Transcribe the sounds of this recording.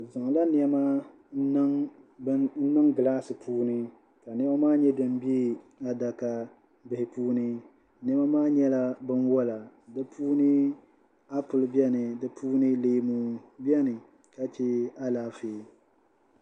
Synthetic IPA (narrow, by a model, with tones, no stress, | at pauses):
za˨ŋ˨la˦n˦ɛ˦ma˦ | ŋ˦ | n̩˦nɨ˦ŋɡɨ˨laː˦sɨ˨pʰuː˦nɨ˦ | ka˨nɛ˦ma˦maː˦ɲɛ˦dɨ˨m˦bi˦ | a˨da˨ka˨ | bɪ˨hɪ˨puː˦nɨ˦ | nɛ˦ma˦maː˦ɲɛ˦la˦bɨ˦nwɔ˦la˨ | dɨ˦pʰuː˦nɨ˦ | a˦pʊ˨lbɛ˦nɨ˨dɨ˦pʰuː˦nɨ˦leː˦mu˨˦bɛ˦nɨ˨ | ka˦t͡ʃɛ˦a˦laː˨˦feː˨˦